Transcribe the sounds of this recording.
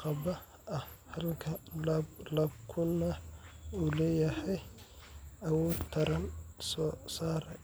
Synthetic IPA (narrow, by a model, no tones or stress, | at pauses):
qɑbɐ | ɐhɐlkʰɐlblɐb̚kʰʊnɐulɛːjɐhɛj | ɐwɔːt̪ʰɐɾɐnsɔːsaːɾɛ